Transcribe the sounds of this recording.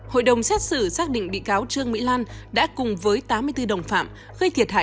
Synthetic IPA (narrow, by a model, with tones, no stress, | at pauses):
ho̰˧˨jɗə˨˩wŋ͡msɛ˦˥t̚sɨ˧˩saː˦˥k̚ɗḭ̈˧˨ŋ̟ɓḭ˧˨kaː˨˦wt͡ɕɨ˧əŋmḭ˧˥laː˧nɗa̰ː˧˥kʊ˨˩ŋ͡mvəː˨˦jt̪aː˨˦mɨ˧əjt̪ɨ˧ɗə˨˩wŋ͡mfa̰ː˧˨m | ɣə˧jt̪ʰi˨˩ət̚ha̰ː˧˨